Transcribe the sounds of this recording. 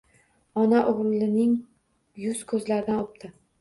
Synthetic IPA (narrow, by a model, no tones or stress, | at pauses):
ɒnaʔoʁɾlɪnɪŋ | jʊskʰɵzlaɾd̪anop̚t̪ʰɪ